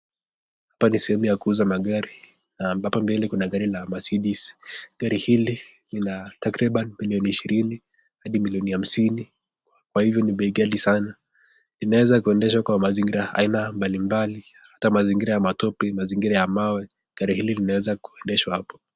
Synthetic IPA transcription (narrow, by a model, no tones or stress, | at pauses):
hapanisɛhɛmujakuuzamaɠaɾi | nambapambɛlɛkunaɠaɾilamasiɗisi̥ɡ̥aɾihili | linatakɾiɓanimiliɔniːʃiɾini | haɗimiliɔniham̩sini | kwahivjɔniɓɛiɡaɗisana | linawɛzakuɛndɛʃ̬wakwamaziŋɡiɾaa̰inambalimbali | hatamaziŋɡiɾajamatɔpɛmaziŋɡiɾajamawɛ | ɡ̥aɾihililinawɛzaku̥ɛndɛʃwahapɔ̥